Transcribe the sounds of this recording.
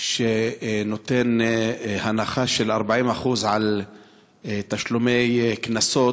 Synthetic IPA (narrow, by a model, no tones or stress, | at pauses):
ʃenot̪enhanaχaʃelaɾbaʕimaχuzʕal | t̪aʃlumejknaso